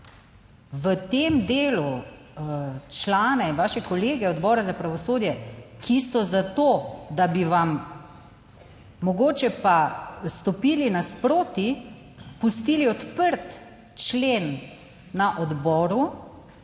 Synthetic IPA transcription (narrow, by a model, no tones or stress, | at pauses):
ʋət̪eːmd̪eːlu | t͡ʃlaːnɛʋaːʃɛkɔleːɡɛɔd̪bɔːɾazapɾaʋɔsoːd̪jɛkʰisɔzat̪oːd̪abiʋam | ɔɡoːt͡ʃɛpast̪ɔpiːlinaspɾoːt̪i | pust̪iːliɔt̪pəɾt̪ | t͡ʃleːnː | aʔɔd̪bɔːɾu